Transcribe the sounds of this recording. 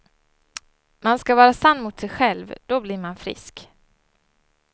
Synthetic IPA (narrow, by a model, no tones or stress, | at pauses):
manskavɑːɾasanːmʊt̪sɛjɧɛlvd̪̥ɔblɪɾmanfɾɪ̰sk